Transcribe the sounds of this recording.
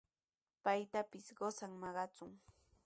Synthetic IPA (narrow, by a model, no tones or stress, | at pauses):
pajt̪apɪsɢosaŋmɑɢɑt͡sʊŋ